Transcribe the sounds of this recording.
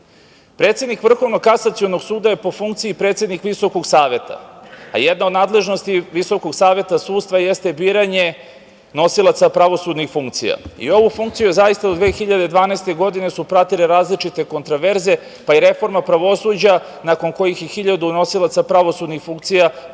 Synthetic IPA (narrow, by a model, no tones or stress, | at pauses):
pɾet̪sje̞d̪nikʋr̩xo̞ʋno̞kasat̪sio̞noɡsuːd̪ajepo̞fuŋkt̪siipɾet̪sʲe̞d̪nikʋiso̞ko̞ɡsaːʋe̞t̪a̰a̰jed̪naod̪naːd̪le̞ʒno̞st̪iʋiso̞koɡsaːʋe̞t̪asuːt̪st̪ʋajest̪ebiːɾaɲe̞ | no̞silˠat̪sapɾaʋo̞suːd̪nixfuŋkt̪sḭja̰ḭo̞ʋufuŋkt̪sijuzajist̪ad̪od̪ʋeːxiʎad̪ed̪ʋaːnaest̪e̞ɡo̞d̪ine̞supɾat̪ileɾaːzlit͡ʃit̪e̞ko̞nt̪ɾoʋe̞ɾze̞ | paiɾe̞fo̞ɾmapɾaʋo̞suːd͡ʑa | nako̞nko̞jixjexiʎad̪uno̞silˠat̪sapɾaʋosud̪nixfuŋkt̪sija